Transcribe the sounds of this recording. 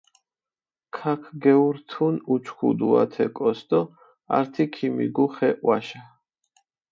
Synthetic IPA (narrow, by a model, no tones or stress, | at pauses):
kʰakʰɡɛuɾt̪ʰunut͡ʃʰχṵd̪ua̰t̪ʰɛkʼɔst̪ɔ | a̰ɾt̪ʰikʰimḭɡuχɛʔwaʃa